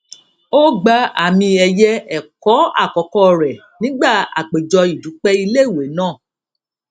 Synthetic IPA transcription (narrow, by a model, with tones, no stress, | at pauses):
o˦ɡ͡ba˧a̰˦˨mĩ˧ɛ˧jɛ˦ɛ˦˨kɔ˨˦a̰˦˨kɔ˨˦kɔ˦ɾɛ˨ | nĩ˦ɡ͡ba˦˨a̰˨k͡pe˨d͡ʒɔ˧i˨du˨˦k͡pɛ˦i˧le˦i˦˨we˨˦nãː˦˨